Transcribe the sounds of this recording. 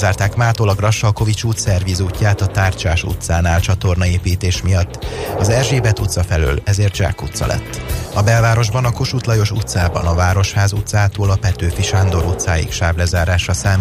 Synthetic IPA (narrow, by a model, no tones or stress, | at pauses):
zaːrt̪aːkmaːt̪olɒɡrɒʃːɒlko̞vit͡ʃuːt̪sɛrvizuːcːaːt̪ɒt̪aːrt͡ʃaːʃṵt̪saːnaːlt͡ʃɒt̪o̞rnɒeːpiːt̪eːʃmijɒt̪ːɒzɛrʒeːbɛt̪ut̪sɒfɛlø̰ːlɛzeːrt̪ʒa̰ːkut̪sɒ̰lʔɛ̰t̪ːɒbɛlvaːɾo̞ʒbɒnɒko̞ʃut̪lɒjo̞ʃut̪saːbɒ̰nɒvaːɾo̞ʃhaːzut̪saːt̪oːlɒpɛt̪øːfiʃaːnd̪o̞ɾut̪saːjḭkʃaːblɛzaːɾaːʃɒsaːm